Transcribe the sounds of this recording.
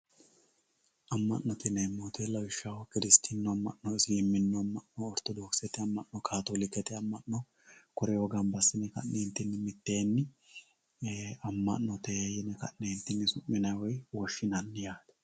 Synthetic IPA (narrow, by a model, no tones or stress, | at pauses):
ʔɐmːɐ̰nːɔt̪ɪnɛmːoːt̪ʰelɐwɪʃːawɔkɪɾɪst̪ʰinːɔɐmːɐ̰ʔːɔɪsjɪmːɪnːɔɐmːɐʔnɔːɾt̪ɔd̪oːksɛt̪ɛɐmːɐʔnɔkʰaːt̪ɔlɪkːɛt̪ɛɐmːɐʔnɔ | kɔɾɛwɔɡɐnbɐsːɪnɛkɐ̰ʔneːnt̪ːɪnːɪmɪt̪ːeːnːɪ | ɐmːɐ̰ʔnːɔt̪ejɪnɛkɐ̰nneːnt̪ːɪnːɪsʊmːɪnɐjwɔjwɔʃːɪnɐnːɪjaːd̪ɛ̥